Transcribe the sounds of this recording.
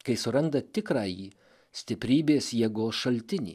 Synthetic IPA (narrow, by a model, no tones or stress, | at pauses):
kɐɪsʊɾɐnd̪ɐt̪ʲɪkɾɑːjiː | sʲt̪ʲɪpʲɾʲiːbʲeːsjɛɡoːsʃɐlʲt̪ʲɪnʲḭː